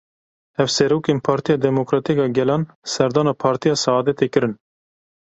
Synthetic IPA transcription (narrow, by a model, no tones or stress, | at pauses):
hɛvsɛɾoːkeːnpʰɑːɾt̪ijɑːd̪ɛmokɾɑːt̪ikɑːɡɛlɑːn | sɛɾd̪ɑːnɑːpʰɑːɾt̪ijɑːsɑɑːd̪ɛt̪ekɨɾɨn